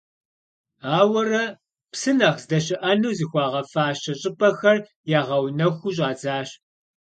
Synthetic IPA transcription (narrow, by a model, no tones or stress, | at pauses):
aːwɐrɐ | psɨnɐχzdɐɕɪʔɐnuːzixʷɑːʁɐfaːɕɐɕʼɪpʼɐxɐr | jaːʁɐwnɐxʷuɕ̬ʼɑːd͡zaːɕ